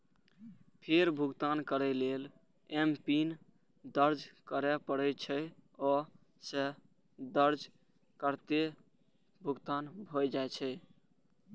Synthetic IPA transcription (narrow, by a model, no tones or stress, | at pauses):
pʰeɾbʱuɡt̪ankəɾɛlel | empin | d̪əɾd͡ʒkəɾɛpəɽɛt͡ʃʰɛɔ | se | d̪əɾd͡ʒ | kəɾt̪e | bʱuɡt̪anbʱojd͡ʒajt͡ʃʰɛ